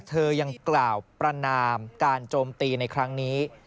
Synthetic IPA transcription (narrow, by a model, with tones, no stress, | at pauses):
t̪ʰɤː˧ja˧ŋklaː˨˩wpɾa˧naː˧mkaː˧nt͡ɕoː˧mt̪iː˧na˧jkʰɾa˦˥ŋniː˦˥